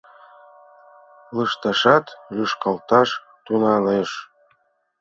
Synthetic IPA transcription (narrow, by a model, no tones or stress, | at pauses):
ləʃt̪ɑʃɑt̪lʲyʃkɑlt̪ɑʃ | t̪unɑleʃ